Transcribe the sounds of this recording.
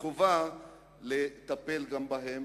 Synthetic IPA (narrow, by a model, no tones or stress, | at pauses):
ova | let̪apelɡambaɦem